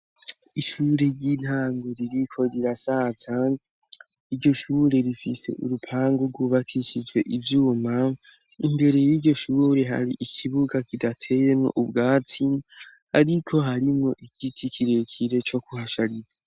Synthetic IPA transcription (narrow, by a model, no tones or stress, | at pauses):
iʃuɾe̞ɾɟin̥haːŋɡuɾiɾikʰo̞ɾiɾasaːt͡sa | iɾɟo̞ʃuːɾe̞ɾifise̞̰ʔṵɾupʰaːŋɡuɾɡwuβakʰiʃid͡ʒwe̞ʔivjuːma | imbe̞ɾe̞jiːɟo̞ʃuːɾe̞ɦa̰ɾḭʔikʰiβuɡakidatʰe̞je̞mŋo̰ʔubɡaːti | a̰ɾikʰo̞ɦaɾimŋo̞ʔikitʰikʰiɾe̞kʰiɾe̞t͡ʃo̞kuhaʃaɾiza